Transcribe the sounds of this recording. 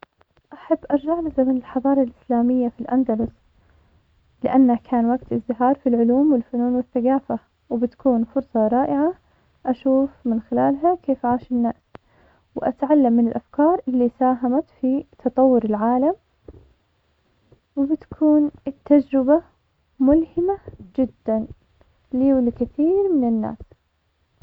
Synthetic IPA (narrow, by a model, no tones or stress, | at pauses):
ʔaħabːʔɑɾˤd͡ʒaʕlazamanɪlħɑðˤɑːɾˤɑlʔɪslaːmɪjːafilʔand̪alʊs | lɪ̰ʔanːakʰaːnwaɡt̪ɪzːɪɦɑːɾˤfilʕʊluːmwɪlfʊnuːnwɪθːaɡaːfa | wɪbɪt̪kuːnfʊɾsˤɑɾˤɑːʔɪʕa | ʔaʃuːfmɪnxɪlaːlɦakʰeːfʕaːʃɪnːaʔs | wɪʔa̰t̪ʕalːamːɪnɪlʔafkɑːɾˤʔɪlːiːsaːɦamat̪fit̪ʰɑt̪ˤɑwːʊɾɪlʕaːlam | wɪbɪt̪kʰuːnt̪ːad͡ʒɾɪba | mʊlhɪmad͡ʒɪd̪ːan | liːwlɪkɪθiːɾmɪnɪnːa̰ːs